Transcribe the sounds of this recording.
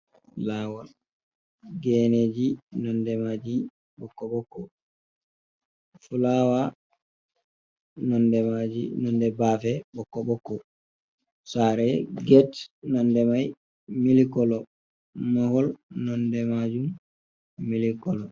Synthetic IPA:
lawɔl | ɡɛned͡ʒinɔndɛmad͡ʒi | bɔkːɔɓɔkːɔ | fulawa | nɔndɛmad͡ʒinɔndɛbaːfɛbɔkːɔɓɔkːɔ | saɾɛɡɛtnɔndɛmaj | milikɔlɔ | mahɔlnɔndɛmad͡ʒumː | ilikɔlɔ

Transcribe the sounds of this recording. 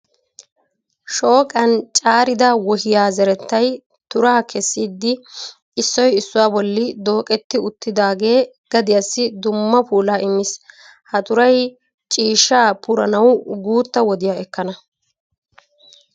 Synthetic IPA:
ʃo̞ːkʼɐnt͡ʃʼaːɾɪd̪ɐwɔhɪjaːzɛɾɛt̪ːɐj | t̪ʊɾaːkʰɛsːiːd̪ːɪ | ɪsːɔjɪsːʊwaːbɔlːɪd̪o̞ːkʼɛt̪ːɪʊt̪ːɪd̪aːɡe̞ː | ɡ̥ɐd̪ɪjɐsːɪd̪ʊmːɐpuːlaːʔɪmɪs | hɐt̪ʼʊɾɐj | t͡ʃʼiːʃaːpʰʊɾɐ̰nɐwɡuːt̪ːɐwɔd̪ɪjaːɛkːɐnɐ

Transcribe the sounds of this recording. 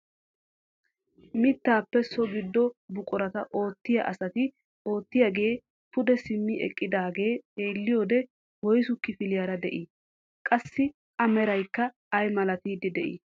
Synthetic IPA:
mɪt̪ːaːpːɛsɔɡɪd̪ːɔbʊkʼɔɾɐt̪ɐʔo̞ːt̪ːɪjɐ̰ʔɐsɐt̪ɪ | o̞ːt̪ːɪjɐɡe̞ː | pʊd̪ɛsɪmːɪʔɛ̰kʼːɪd̪aːɡe̞ːe̞ːlːɪjo̞ːd̪ɛ | wɔjsʊkːɪfɪlɪjɐɾɐd̪ɛʔɪː | kʼɐsːɪ | ʔɐmɛɾɐjkːɐː | jmɐlɐt̪iːd̪ɪd̪ɛʔɪ̰ː

